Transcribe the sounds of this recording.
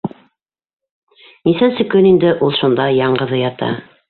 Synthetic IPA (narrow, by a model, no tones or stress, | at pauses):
nisænsɘ̆kɵnind̪ɘʔulˠʃund̪ɑjɑɴɢɤ̆ðɤjɑt̪ɑ̰